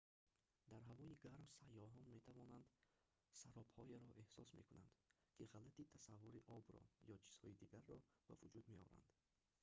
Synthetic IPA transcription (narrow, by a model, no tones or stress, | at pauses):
d̪aɾɦavɔiɡaɾmsajːɔɦɔnme̞t̪ʰavɔnand̪ | saɾɔphɔjeɾɔʔehsɔsmekuna̰nd̪kʰiʁalat̪it̪ʰasavːuɾiʔɔbɾɔ̰jɔt͡ʃʰi̥z̥hɔid̪iɡaɾːɔb̥a̰vud͡ʒud̪me̞ɔɾa̰nd̪̥